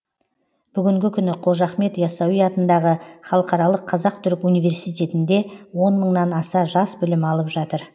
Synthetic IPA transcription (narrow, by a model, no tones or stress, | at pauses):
b̥ʏɡʲɪŋɡʲɪkʲʰʏnɪqʰo̞ʒɑχme̞t̪jɑsɑwijɑt̪ənd̪ɑʁəχɑlˠəqɑɾɑlˠəqʰːɑzɑqt̪ʰʏɾɪkʲunijvʲe̞ɾsijt̪ʲe̞t̪ɪnd̪e̞wo̞nməɴnɑnɑsɑʒɑsbʏlɪmɑlˠəpʒɑt̪əɾ